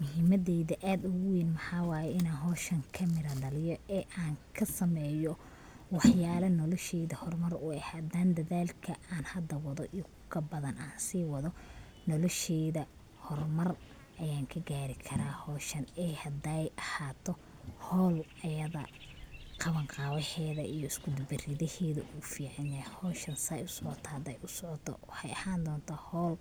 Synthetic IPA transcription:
mʊɦiːmɐðɛːðɐʔaːd̪ʊɣʊwiːnmɐħɑːwɑːjɛɪnaːnɦɔːʃɐŋkʰɐmɪɾɐɖɐlɪjɔɛːʔaːŋkʰɐsɐmɛːjɔ | wɑħjaːlɐnɔlɔʃɛːðɐhɔrmɐrʊɛhad̪aːnd̪ɐðaːlkʰɐʔaːnhɐd̪ɐwɑðɔʔiː | kʰɐbɐðɐnaːnsiːwɑðɔ | nɔlɔʃɛːðɐ | hɔrmɐr | ʔɐjaːŋkʰɐɡaːɾɪkʰɐɾaːhɔːʃɐnɛhɐd̪ɛjʔɐhaːt̪ʰɔ | hɔːl | ɐjɐðɐ̰ | qɑβɐŋqɑːwɛħɛːðɐijɔɪskʰʊd̪bɪrɪðɐhɛːðɐʔuːfiːʕɑnaːhɔːʃɐnsɐjʊsɔʕɔt̪ʰɔhɐd̪ɛjʊsɔʕɔt̪ʰɔ̰wɑħɑjʔɐhaːnd̪ɔːnt̪ʰaːhɔːl

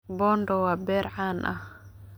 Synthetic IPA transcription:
bɔːndɔwaːbɛːɾʕaːnʔɐ̰h

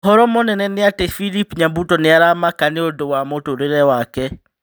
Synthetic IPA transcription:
ɦɔɾɔmɔnɛnɛneatefilipɲambutɔneaɾamakaneodowamotoɾeɾɛwakɛ

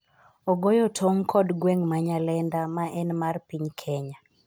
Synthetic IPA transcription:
ɔɡojɔtʰoŋkʰɔdɡweŋmaɲalɛndamaʔɛnmarpiɲkʰɛɲa

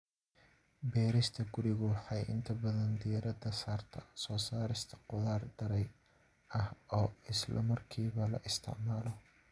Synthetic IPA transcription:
bɛːɾɪst̪ʰɐɡʊɾɪɣʊwɑħɑjʔɪ̰nt̪ʰɐbɐðɐnd̪ijɐɾɐd̪ɐsaːrt̪ʰɐsɔːsaːɾɪst̪ʰɐ̥qʊðaːrd̪ɐɾɛj | ɐhɔːɪslʔɐ̰mɐrkʰiːβɐlɐ̰ʔɪst̪ʰɪ̰ʕmaːlɔ

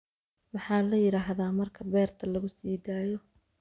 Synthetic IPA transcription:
mɑħɑːlɐjɪɾaːɦðaːmɐrkʰɐbɛːrt̪ʰɐlɐɣʊsiːd̪aːjɔ

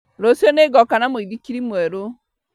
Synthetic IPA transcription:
ɾosjɔneɡɔkanamoiðikiɾimwɛɾo

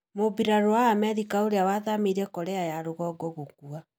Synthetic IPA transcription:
mobiɾaɾoaːmɛɾikaoɾeawaðameɾɛkɔɾɛajaɾoɣɔɡɔɣok̚ua

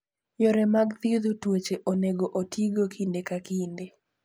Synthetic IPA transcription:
jɔɾɛmaɡt̪id̪utwet͡ʃeʔoneɡoʔotiɡokʰindekakinde

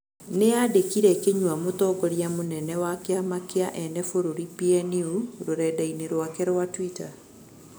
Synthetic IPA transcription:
neadekiɾɛkeɲwamotɔɡɔɾjamonɛnɛwakeamakeaʔɛnɛfoɾoɾipiɛniuɾoɾɛdaineɾwakɛɾwatwita

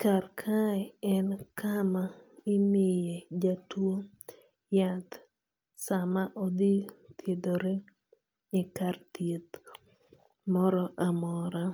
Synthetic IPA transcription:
karkʰaɛɛnkʰamaɪmɪjed͡ʒatwo | jat̪ | samaʔod̪it̪ʰjed̪oɾe | ɪkart̪jet̪ | mɔɾɔʔamɔɾa

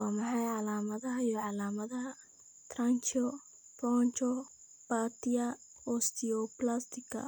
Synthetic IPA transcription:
ɑːmɑħɑjʕɑlaːmɐðɐɦɐjɔʕɑlaːmɐðɐɦɐ | t̪ʰrant͡ʃɔ | pɔːnt͡ʃɔ | b̥at̪ɪjɐ | ɔst̪ʰɪɔplast̪ʰɪkʰɐ̰

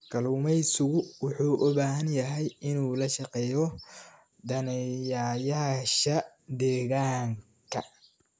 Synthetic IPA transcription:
ɡʰɐlumɛjsʊɣʊwʊħuːʔʊbaːɦɐnjɐɦɛjɪnuːlɐʃɐqɛːjɔ | d̪ɐnɛjaːjaːʃɐ | d̪ɛːɣaːŋ | kʰɐ

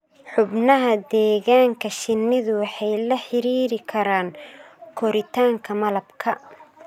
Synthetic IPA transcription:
ħʊbnɐɦɐd̪ɛːɣaːŋkʰɐʃɪnːɪðʊwɑħɑjlɐħɪɾiːɾɪkʰɐɾaːŋkʰɔɾɪt̪ʰaːŋkʰɐmɐlɐbkʰɐ

